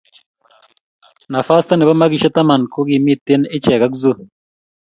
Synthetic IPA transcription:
na˨fa˦st̪a˦ne˨βa˦ma˦ɡi˨ʃa˦t̪a˦ma˨nko˦ɡi˨mi˦t̪ːe˦nɪ˦t͡ʃɛ˨ɡa˦kzu˦

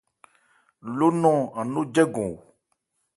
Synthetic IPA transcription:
lo˦nɔ̃˦˨a˨no˦d͡ʒɛ˦ɡõ˨

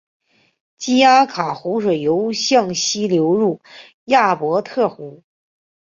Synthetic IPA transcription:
t͡ɕi˥a˥kʰa˨˩xu˧˥ʂwɤ˨˩jo˧˥ʊɕjɑ˥˧ŋɕi˥ljo˧˥ʊɻu˥˩ | ja˥˩pwɔ˧˥t̪ʰɤ˥˩xu˧˥

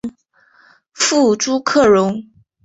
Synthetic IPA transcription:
fu˥˩ʈ͡ʂu˥kʰɤ˥˩ɻʊ˧˥ŋ

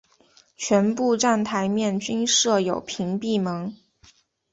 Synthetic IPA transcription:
t͡ɕʰɥɛ˧˥npu˥˧ʈ͡ʂa˥˩nt̪ʰa˧˥ɪmjɛ˥˩nt͡ɕy˥nʂɤ˥˩jo˨˩ʊpʰi˧˥ŋpi˥˩mɤ˧˥ŋ

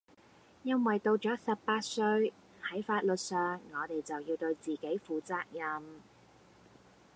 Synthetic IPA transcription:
jɐ˥nwɐ˨jt̪o˧wt͡ʃɔː˨˥sɐ˨pːaː˧t̚sɵ˧ɥ | hɐ˨˥jfaː˧t̚lɵ˨t̚sœː˨ŋːɔː˨˧t̪e˨˩jt͡sɐ˨wjiː˧wt̪ɵ˧ɥt͡siː˨˩ke˨˥jfuː˨˩t͡saː˧k̚jɐ˧m

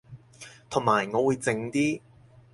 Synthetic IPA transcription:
t̪ʰʊ˨˩ŋmaː˨˩jŋɔː˨˧wuː˨˧jt͡sɪ˧ŋt̪iː˥

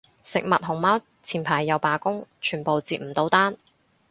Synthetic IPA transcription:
sɪ˨k̚mɐ˨t̚hʊ˨˩ŋmaː˥w | t͡sʰiː˨˩npʰaː˨˩jːɐ˨wpaː˨kʊ˥ŋt͡ʃʰyː˨˩npo˨wt͡siː˧˨t̚m̩˨˩t̪o˨˧wt̪aː˥n

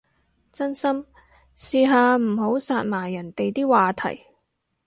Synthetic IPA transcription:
t͡sɐ˥nsɐ˥m | siː˧ɦaː˧m̩˨˩ɦo˨˥wsaː˧t̚maː˨˩jɐ˨˩nt̪e˨jt̪iː˥waː˨t̪ʰɐ̰˨˩j

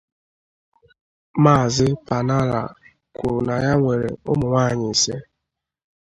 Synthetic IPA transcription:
maː˦˨zɪ˦pa˨na˦ɾa̰˨ | kʷʊ̰˨ɾna˨ja˦ŋʷe˨ɾḛ˨ʊ̰˦mʊ˨ŋʷaː˦˨ɲɪ˨se˦

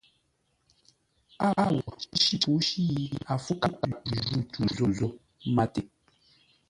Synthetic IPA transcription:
a˦a˦wɔ˨i˦ʃi˦tu˨˦ʃi˦ji˦a˨fu˦ka˦ka˦˨pu˨ʒu˦˨tʰu˨zo˨zo˦ | ma˦te˨

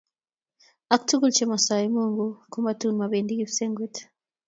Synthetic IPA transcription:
a˨ku̥tʰu˦ɡu˦lt͡ʃe˨ma˨sa˨ji˨muː˦ŋɡuku˦ma˨tun˨ma˨βeː˨ndi˦ɡi˦βse˦ŋɡwe˦tʰḁ

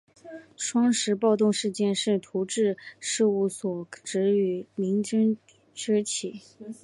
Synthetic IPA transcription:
ʂʰwɑ˥ŋʂɻ̩˧˥pɑ˥˧ʊt̪ʊ˥˧ŋʂɻ̩˥˧t͡ɕjɛ˥˧nʂɻ̩˥˩t̪ʰu˧˥ʈ͡ʂɻ̩˥˧ʂɻ̩˥˧u˥˩swɔ˨˩ʈ͡ʂɻ̩˧˥y˨˧˩mi˧˥ŋʈ͡ʂə˥ŋ | ʈ͡ʂ̩˥t͡ɕʰi˨˩˦

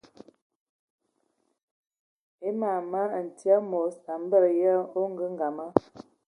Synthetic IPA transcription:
e˦ma˨ma˦˨n̩˨ti˦a˦mo˨˦sa˨m˦bə˦ɾja˦o˦ŋ˦ɡə˦ŋ˦ɡa˨ma˦

